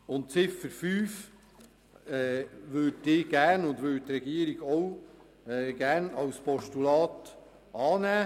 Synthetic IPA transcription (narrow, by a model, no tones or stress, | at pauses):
ʊnt̚t͡sɪfəɾfyːf | ɛːʋɵːtdɪːɡ̥æːɾnʊndʋɵːt̚t̪ɾɛɡiəɾiɡ̥ɔw | ɛɡ̥æːɾnɑwspɔʃtulɑːt̪ | ɑːnæː